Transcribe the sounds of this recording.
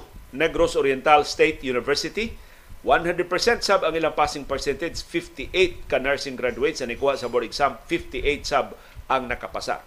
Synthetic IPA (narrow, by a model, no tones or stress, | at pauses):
nɛɡɾosoɾjɛnt̪alst̪ejt̪junɪvɛɹsɪt̪i | wanhãnd̪ɾəɛd̪̚pɛ˞sɛ̃nt̪sabaŋilaŋpasɪŋpɛɹsɛnt̪ed͡ʒsfift̪iʔejt̪̚kanaɹsɪ̃ŋɡɾad͡ʒuejt̪sanikuhaʔsɐbɔɾɪɡsamfift̪iʔet̪sab | aŋnɐkapasa̰